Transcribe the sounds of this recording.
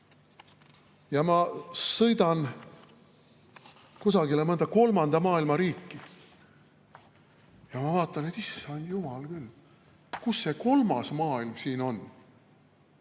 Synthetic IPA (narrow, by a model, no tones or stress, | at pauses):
jɑmɑsɤjd̪̥ɑn | kusɑɡilemɤnd̪̥ɑko̞lmɑnd̪̥ɑmɑːilmɑɾiːkːi | jɑmɑvɑːt̪ːˑɑnet̪isːɑnd̪̥jumɑlkylː | kusːe̞ko̞lmɑsmɑːilmsiːno̞n